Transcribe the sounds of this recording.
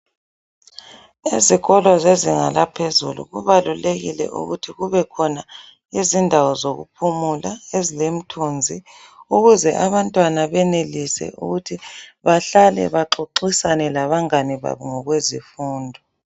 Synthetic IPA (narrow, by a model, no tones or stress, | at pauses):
iziɣɔlwazeziŋa̰lapʰezṵlṵɣuβaluleɣilɛ̰ʔṵɣutʰiɣuβɛkʰɔna | izindʱawɔzoɣṵpʰumulaezilem̩tʰund͡zʱi | uɣuzɛʔaβantʼwanaβɛnelisɛ̰ṵɣutʰiβaɬalɛ̰βaǁoǃisanɛlaβaŋaniβa̰βuŋɔɣwezifuːndʱɔ